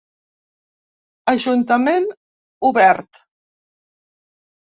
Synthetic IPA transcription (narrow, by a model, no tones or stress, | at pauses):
əʒunt̪əmen | uβɛɾt̪